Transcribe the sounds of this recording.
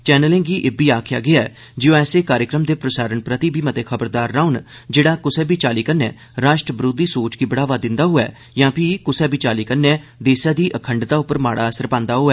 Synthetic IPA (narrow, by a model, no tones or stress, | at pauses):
t͡ʃɛːnəlẽːŋɡiːʔeːbiːaːkʰja̰ːɡɪaɛː | d͡ʒɪjõːɛːseːkaːɾjəkɾəmd̪eːpɾəsaːɾəɳpɾət̪ibʱiːmət̪eːkʰəbəɾd̪aːɾːaːʊnd͡ʒeːɽaːkʊsɛːbiːt͡ʃaːliːkənːɛ̰ː | ɾaːʃʈɾəbɾoːd̪iːsoːt͡ʃkiːbəɽaːʋaːd̪ɪ̃nd̪aːɦʊɛ̰ː | jãːpʰiːkʊsɛːbiːt͡ʃaːliːkənːɛ̃ːd̪eːsaːd̪iːʔəkʰəɳɖd̪aːʊpəɾma̰ːɽaːəsəɾpãːnd̪aːɦoːɛː